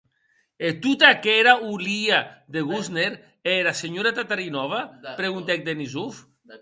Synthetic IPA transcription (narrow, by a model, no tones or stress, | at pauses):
et̪ut̪akeɾauliaðeɣuzneɾ | eɾaseɲoɾat̪at̪aɾinɔβapɾeɣunt̪ɛk̚d̪enizuf